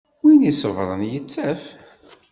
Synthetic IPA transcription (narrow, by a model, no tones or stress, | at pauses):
winisəvɾˤənjət͡sːæf